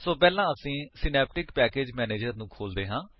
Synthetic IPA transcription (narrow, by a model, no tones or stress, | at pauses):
soːpɛːlãːəsĩːsɪnɛːp̚ʈɪkpɛːkeːd͡ʒmɛːneːd͡ʒəɾnũːkʰoːld̪eːɦãː